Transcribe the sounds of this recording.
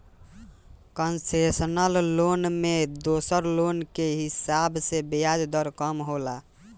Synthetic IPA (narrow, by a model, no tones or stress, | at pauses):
kənsesənəlːonmed̪osəɾlonkeɦisabsebead͡ʒd̪əɾkəmɦola